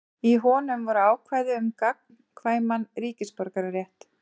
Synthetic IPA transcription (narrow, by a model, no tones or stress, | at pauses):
iɦɔːnʏmvɔɾaːwkʰvaːjðɪʏmkak̚n | kʰvaːjmanriːcɪspɔɾkaɾarjɛht̪